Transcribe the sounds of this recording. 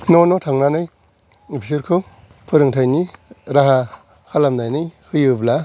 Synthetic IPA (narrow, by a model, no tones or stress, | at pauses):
nonɔtʰaŋnanɯj | opʰisɯɾkʰɯ | pʰɯɾɯŋtʰajniɾaɦa | kʰalamnajnɯjhɯjɯbla